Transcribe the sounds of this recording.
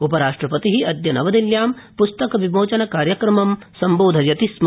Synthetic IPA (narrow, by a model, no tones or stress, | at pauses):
upɐɾaːʂʈɾɐpɐt̪iɦiʔɐd̪jɐnɐʋɐd̪iljaːmpust̪ɐkɐʋimoːt͡ʃɐnɐkaːɾjɐkɾɐmɐm | sɐmboːd̪ʱɐjɐt̪ism